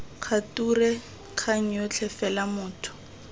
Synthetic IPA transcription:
kʰaturɛ | kʰaŋ̩jɔt͡ɬʰɛfɛlamʊːtʰʊ̥

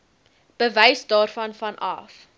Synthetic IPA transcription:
b̥əvəjsdɑːrfɐnfɐnɐ̰f

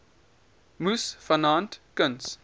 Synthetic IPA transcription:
musfənãntkə̃ns

